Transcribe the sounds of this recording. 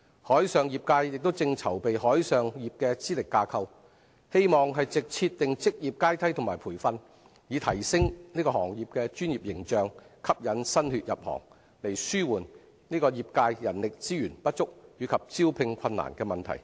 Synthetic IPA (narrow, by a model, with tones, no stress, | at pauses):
hɔː˨˥jsœː˨ŋjiː˨p̚kaː˧jːɪ˨k̚t̪o˥wt͡sɪ˧ŋt͡sʰɐ˨˩wpe˨jɦɔː˨˥jsœː˨ŋjiː˨p̚kɛː˧t͡siː˥lɪ˨kːaː˧kʰɐ˧w | he˥jmɔː˨˩ŋɦɐ˨jt͡sɪ˨k̚t͡sʰiː˧tt̪ɪ˨ŋt͡sɪ˥k̚jiː˨p̚kaː˥jt̪ʰɐ˥jt̪ʰʊ˨˩ŋmaː˨˩jpʰuː˨˩jfɐ˧n | jiː˨˧t̪ʰɐ˨˩jsɪ˥ŋniː˥kɔː˧hɔː˨˩ŋjiː˨p̚kɛː˧t͡ʃyː˥njiː˨˩p̚jɪ˨˩ŋt͡ʃœː˨ŋkʰɐ˥p̚jɐ˨˥nsɐ˥nhyː˨˧t̚jɐ˨p̚hɔ̰ː˨˩ŋ | le˨˩jsyː˥wuː˨˩n | niː˥kɔː˧jiː˨p̚kaː˧jjɐ˨˩nlɪ˨k̚t͡siː˥jyː˨˩npɐ˥t̚t͡sʊ˥k̚jyː˨˧kʰɐ˨p̚t͡siː˥wpʰɪ˧ŋkʷʰɐ˧nːa̰ː˨˩nkɛː˧mɐ˨nt̪ʰɐ̰˨˩j